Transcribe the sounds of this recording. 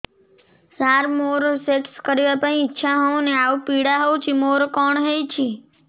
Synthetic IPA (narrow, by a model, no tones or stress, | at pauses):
saɾmoɾosekskəɾjapəĩːtːʃʰaɦɔũneaupiɽaɦɔũt͡ʃʰimoɾokɔɳɦejt͡ʃʰi